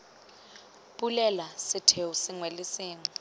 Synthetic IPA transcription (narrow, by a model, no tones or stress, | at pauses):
ɓulɛlasɪtʰewusɪŋwelɪsiːŋɔ